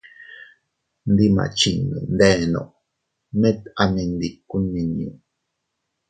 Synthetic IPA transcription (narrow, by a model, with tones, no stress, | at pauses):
nd̪i˦ma̰˨t͡ʃi˨nṵ˨nd̪e˦no̰˨ʔ | mẽ˦t̪a˨mẽ˧nd̪i˨ku˦nːi˨ɲũ˨